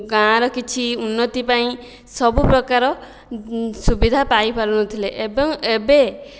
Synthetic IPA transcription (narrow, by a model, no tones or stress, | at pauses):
ɡãɾɔkit͡ʃʰiunːɔt̪ipaĩ | sɔbupɾɔkaɾɔ | subid̪ʱapajpaɾunɔt̪ʰileʔebɔŋebe